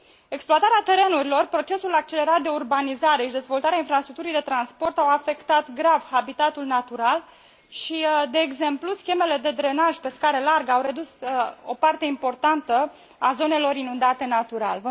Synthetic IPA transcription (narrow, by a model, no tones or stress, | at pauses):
e̞ksploat̪aɾeat̪e̞ɾe̞nuɾilo̞rpɾo̞t͡ʃe̞sulak̚t͡ʃe̞le̞ɾat̪̚d̪e̞urbanizaɾe̞ʃid̪e̞zvo̞lt̪aɾeainfɾast̪ɾuk̚t̪uɾijd̪e̞t̪ɾanspo̞rt̪awafe̞kt̪at̪ɡɾavhabit̪at̪ulnat̪uɾal | ʃid̪e̞ːɡze̞mpluskʲe̞me̞le̞d̪e̞d̪ɾe̞naʒʲpe̞skaɾe̞larɡəawɾe̞d̪uso̞̰part̪e̞impo̞rt̪ant̪ə | azo̞ne̞lo̞ɾinund̪at̪e̞nat̪uɾa̰lvə